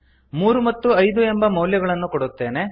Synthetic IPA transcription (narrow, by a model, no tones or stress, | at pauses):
muːɾumɐt̪ːuɐjd̪ue̞mbɐmɐwljɐɡɐɭɐnːukoɽut̪ːe̞ːne̞